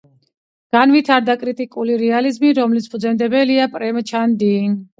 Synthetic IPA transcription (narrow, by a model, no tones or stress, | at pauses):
ɡ̥anvit̪ʰaɾd̪akʼɾit̪ʼikʼuliɾɛalizmiɾɔmlit̪sʰpʰʼd̪zɛnd̪ɛbɛliapʼɾɛmt͡ʃʰand̪iŋ